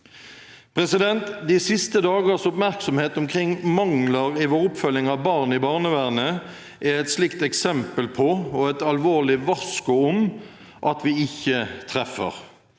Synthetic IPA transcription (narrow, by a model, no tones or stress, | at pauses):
pʰɾɛsɪd̪ɛnt̪d̪ɪsɪst̪əd̪ɑːɡəʁsɔpmæʁksɔmheːt̪ɔmkʰʁɪŋmɑŋləʁɪʋoːɾʊpfœlɪŋɑʋbɑʁnɪbɑːʁnəʋæʁnə | ʔæɛt̪slɪkt̪ɛksɛmpəlpʰɔɔɛt̪ɑlʋoːʁlɪʋɑskʊʊm | ʔɑt̪ʰʋɪɪçːət̪ʰʁɛfːə̰ʁ